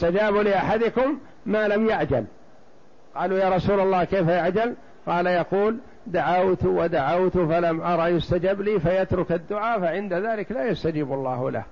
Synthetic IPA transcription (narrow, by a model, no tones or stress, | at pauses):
ɪst̪ad͡ʒaːbulɪʔaħad̪ɪkʊmː | aːlamjaʕd͡ʒa̰l | qɑːluːjaːɾˤɑsuːlalːɑːhkeːfajaʕd͡ʒal | qɑːlajɑquːl | d̪aʕawt̪wad̪aʕawt̪falamʔɑɾˤɑʔjʊst̪ad͡ʒabliːfajat̪ɾʊkad̪ːʊʕaːfaʕɪnd̪aðaːlɪklaːjast̪ad͡ʒiːbalˤːɑːhʊ̰la̰h